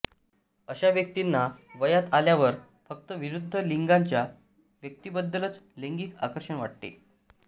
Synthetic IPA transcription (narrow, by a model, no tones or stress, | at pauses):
əɕaʋjək̚t̪inːaʋəjat̪aljaʋəɾ | fək̚t̪əʋiɾud̪ʱːəliŋɡaɲt͡ɕja | ʋjək̚t̪ibəd̪ːələt͡sleŋɡiːka̰kəɾʂəɳʋa̰ʈ̚ʈḛ